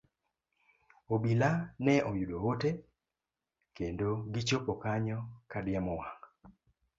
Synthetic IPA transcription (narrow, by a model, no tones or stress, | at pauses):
obilanɛʔɔjuɗoote | kendoɡit͡ʃopɔkaɲɔkadjamɔwaŋ